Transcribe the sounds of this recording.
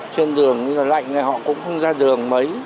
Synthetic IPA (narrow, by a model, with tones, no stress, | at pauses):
t͡ɕe˧nɗɨ˨˩əŋɲɨ˧laː˨˩la̰˧˨jŋ̟na˨˩jɦɔ̰˧˨kʊ̰˧˥ŋ͡mxə˧wŋ͡mzaː˧ɗɨ˨˩əŋmə˨˦j